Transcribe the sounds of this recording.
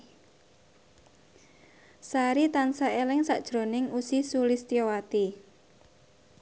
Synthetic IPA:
saɾit̪ansaelɪŋsaʔd̥ʒ̥ɾo̤nɪŋusisulɪst̪iowat̪i

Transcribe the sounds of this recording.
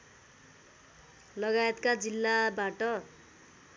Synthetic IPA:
lʌɡajet̪kad͡zilːabaʈʌ

